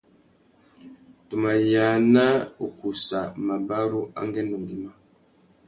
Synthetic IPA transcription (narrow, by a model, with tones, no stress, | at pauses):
tu˨ma˨ja˨na˦u˨ku˨sa˨ma˨ba˦ɾu˦a̰˦ŋɡɛ˦nu˨ŋɡi˨ma˦